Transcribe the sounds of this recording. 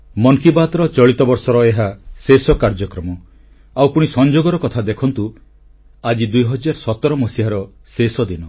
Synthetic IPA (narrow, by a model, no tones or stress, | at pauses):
mɔŋkibat̪ɾɔt͡ʃɔɭit̪ɔbɔɾsɔɾɔeɦasesɔkaɾd͡ʒɔkɾɔmɔ | awpuɽ̃isɔnd͡ʒoɡɔɾɔkɔt̪ʰad̪ekʰɔnt̪u | ad͡ʒid̪ujɦɔd͡ʒaɾɔsɔt̪ɔɾɔmɔsiɦaɾɔ | sesɔd̪inɔ